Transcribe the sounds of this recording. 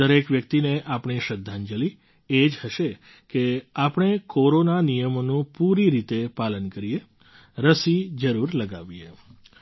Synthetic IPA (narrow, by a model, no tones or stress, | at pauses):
əɾekʋjək̚t̪ineʔapɳ̃iʃəd̪ʱːand͡ʒəli | ed͡ʒhəʃe | keapɳ̃ekoɾonanijəmonũpuɾiɾit̪epalənkəɾie | ɾəsid͡ʒəɾuɾləɡaʋie